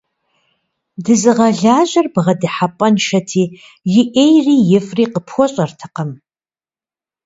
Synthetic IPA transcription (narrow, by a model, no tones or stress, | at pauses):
dɨzɨʁɐɮaːʒʷɐrbʁɐdiħapʼɐnʃɐtʰiː | jɪʔejrijɪfriqəpʰxʷɔɕʼɐrtʰḁqəm